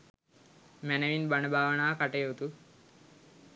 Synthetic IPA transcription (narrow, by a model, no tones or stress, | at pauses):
mænəʋinbanəbʱaːʋənaːkaʈejut̪u